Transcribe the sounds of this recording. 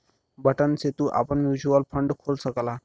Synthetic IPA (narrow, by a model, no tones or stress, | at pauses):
bəʈənset̪uʔa̰pəɳmjud͡ʑuəlpʰəɳɖkʰolsəkla